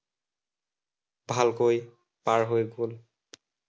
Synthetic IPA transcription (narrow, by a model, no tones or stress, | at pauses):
bʱalkoj | paɹɦojɡol